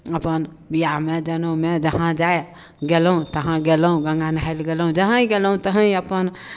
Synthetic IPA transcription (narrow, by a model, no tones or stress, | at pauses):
əpən | bijamed͡ʒənomed͡ʒəɦãd͡ʒae | ɡelũt̪əɦãɡelũɡə̃ŋɡanaelɡelũd͡ʒəɦãĩɡelũt̪əɦə̃ĩəpən